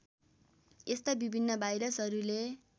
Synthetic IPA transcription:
est̪abibʱinːʌbʱajɾʌsɦʌɾule

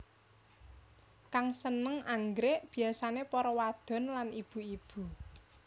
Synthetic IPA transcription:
kaŋsənəŋaŋɡɾeʔb̥i̤asanepɔɾɔwad̪̥ɔ̤nlanib̥ṳib̥ṳ

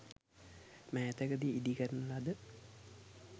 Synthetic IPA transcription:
mɛːt̪əɡəd̪iid̪ikəɾənəlad̪ə

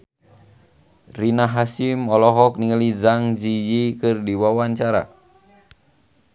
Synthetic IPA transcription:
rinaɦasimɔlɔɦɔk̚niŋəlid͡ʒaŋd͡ʒid͡ʒikɨrdiwawaɲt͡ʃaɾa̰

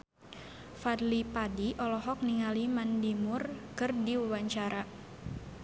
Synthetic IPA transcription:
fadlipadiʔɔlɔɦɔk̚niŋalimandimʊrkɨrdiwuwaɲt͡ʃaɾa

